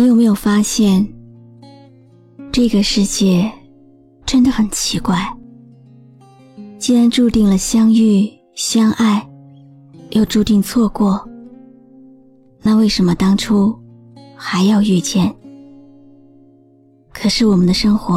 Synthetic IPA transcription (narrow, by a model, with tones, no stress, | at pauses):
jo˨˩me˧˥ɪjo˨˩ʊfa˥ɕjɛ˥˩n | ʈ͡ʂɤ˥˩ɡə˩ʂɻ̩˥˧t͡ɕjɛ˥˩ | ʈ͡ʂə˥nd̪ə˨xə˨˩nt͡ɕʰi˧˥kwa˥˩ɪ | t͡ɕi˥˩nɻa˧˥nʈ͡ʂu˥˧t̪i˥˩ŋlə˩ɕjɑ˥ŋy˥˩ | ɕjɑ˥ŋʔa˥˩ɪ | jo˥˧ʊʈ͡ʂu˥˧t̪i˥˧ŋt͡sʰwɔ˥˧kwɔ˥˩ | na˥˧we˥˩ɪʂə˧˥nmə˧t̪ɑ˥ŋʈ͡ʂʰu˥ | xa˧˥ɪjɑ˥˧ʊy˥˧t͡ɕjɛ˥˩n | kʰɤ˨˩ʂɻ̩˥˩wɔ˨˩mə˦nd̪ə˧ʂɤ˥ŋxwɔ˧˥